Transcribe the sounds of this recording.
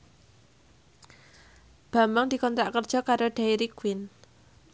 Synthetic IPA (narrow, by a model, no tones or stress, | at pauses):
b̥a̤maŋd̪̥i̤kɔnt̪ɾaʔkərd̥ʒ̥ɔ̤kaɾoɖ̥aiɾikwɪn